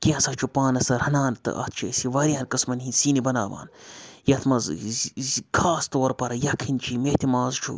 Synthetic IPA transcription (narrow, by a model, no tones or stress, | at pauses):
kiɐ̃sɐt͡ʃʰupaːnɐsɐɾɐnaːnt̪ɨ̰ʔɐ̰t̪̚ʰt͡ʃʰḛsiʋɐɾʲiɐnkɨsmɐnɦinsiːnibɐna̰ːʋa̰ːnjɐt̪ʰmɐz | kʰaːst̪oːɾpɐɾɐjɐkʰinʲt͡ʃʰimet̪imaːzt͡ʃʰṵ